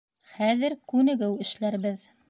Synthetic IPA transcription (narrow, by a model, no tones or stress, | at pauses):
χæðɘɾkʉnɘ̆ɡɘwɘ̆ʃlæɾβɘð